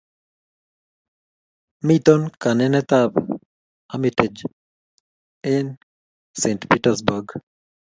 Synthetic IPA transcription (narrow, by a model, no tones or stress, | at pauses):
mit̪onkanɛnɛt̪ab | amited͡ʒ | ɛn | sentpitasbɔɡ